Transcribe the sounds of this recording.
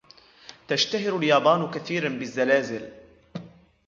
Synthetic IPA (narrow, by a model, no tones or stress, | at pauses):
t̪aʃt̪aɦɪɾʊljɑːbˤɑːnkaθiːɾanbɪzːalaːzɪl